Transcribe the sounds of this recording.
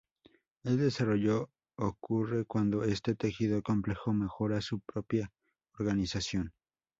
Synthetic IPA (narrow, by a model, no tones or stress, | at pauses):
eld̪esaroʎoː | kʰurekwand̪oest̪et̪exiðokomplexomexoɾasupɾopja | oɾɣanisasjon